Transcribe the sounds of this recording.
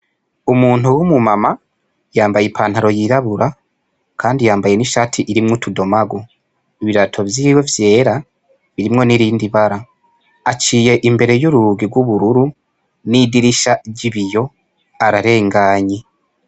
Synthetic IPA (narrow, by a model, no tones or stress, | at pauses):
umuːn̥uwumumama | jaːmbajepʰaːn̥haɾo̞jiɾaβuɾa | kʰaːndijaːmbaje̞niʃaːtʰiʔiɾimŋutudo̞maɡo | iβiɾatʰo̞vjiːwe̞vje̞ːɾa | βiɾimŋo̞niɾiːndiβaɾa | at͡ʃiːje̞ʔimbe̞ɾe̞juɾuɡiɡwuβuɾuɾu | nidiɾiʃaɟiβijo̞ | aɾaɾe̞ːŋɡaːɲe